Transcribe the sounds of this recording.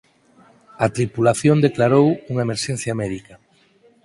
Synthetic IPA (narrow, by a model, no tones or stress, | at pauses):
ɐt̪ɾipulaθjond̪eklaɾowuŋɐemeɾʃɛ̃n̟θjɐmɛðikɐ